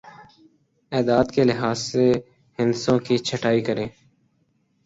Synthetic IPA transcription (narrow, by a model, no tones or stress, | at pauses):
ɛːd̪aːd̪kelɪɦaːzseː | ɦɪnsõːkit͡ʃʰəʈaːikəɾẽː